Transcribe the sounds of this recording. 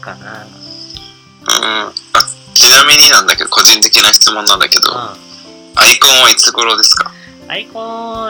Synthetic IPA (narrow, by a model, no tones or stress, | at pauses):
ɯ̰̃a | t͡ɕinamʲiɲ̟inãnd̪ake̞d̪o̞ko̞ʑĩnt̪e̞kʲinaçi̥t͡sɨmõnːãnd̪ake̞d̪o̞̰ | aikõ̞ɰ̃βait͡sɨɡo̞ɾo̞d̪e̞sɨ̥ka